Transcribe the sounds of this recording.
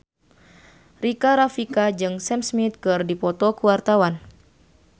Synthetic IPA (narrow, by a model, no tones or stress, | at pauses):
rikaɾafikad͡ʒɨŋsɛmsmit̪̚kɨrdipɔt̪ɔkuwart̪awan